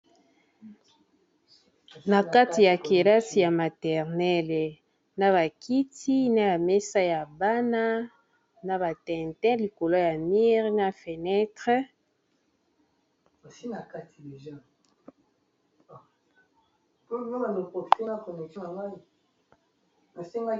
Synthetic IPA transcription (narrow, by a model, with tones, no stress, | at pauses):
na˨ka˦ti˨ja˨ki˨ʁa˦si˨ja˨ma˨tɛ˨ʁnɛ˦l | na˦βa˨kʰi˦ti˦na˦ja˨mɛ˦sa˦ja˨ba˦na˦ | na˦βa˨tɛ̃˨ntɛ̃˦li˨ko˨lo˦ja˨mi˦ʁna˦fe˨nɛ˦tʁə˦ | a˨si˦na˨ka˦ti˨de˨ʒa˦˨ | po˦o˦ba˨no˨po˨pi˨te˦na˦ko˨nɛ˨ti˦na˨ŋɡa˦i˨ | na˨se˦ŋɡa˦